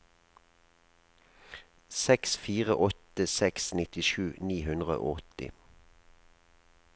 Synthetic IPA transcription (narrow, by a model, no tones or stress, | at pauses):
sɛksfiːʁə̰ʔɔt̪əsɛksnɪt̪ɪʃʉːniːhʉnd̪ʁə̰ʔʔɔt̪ɪ̰